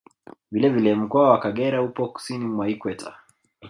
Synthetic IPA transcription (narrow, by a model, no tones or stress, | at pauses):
vilɛvilɛm̩kɔawakaɠɛɾahupɔku̥sinimwaikwɛta̰